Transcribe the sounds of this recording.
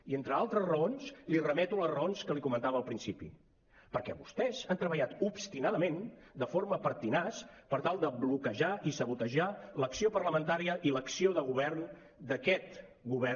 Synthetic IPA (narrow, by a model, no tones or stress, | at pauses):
ient̪ɾəalˠt̪ɾəzrəonslirəmɛt̪uləzrəonskəlikumənt̪aβəːlˠpɾinsipḭ | pəɾkɛ̰βust̪ɛzant̪ɾəβəʎat̪upst̪inaðəmend̪əfoɾməpəɾt̪inaspəɾt̪alˠd̪əβlukəʒaʔisəβut̪əʒaləksiopərləmənt̪aɾiəʔiləksioðəɣ̞uβɛrn | d̪əkɛt̪ | ɡuβɛ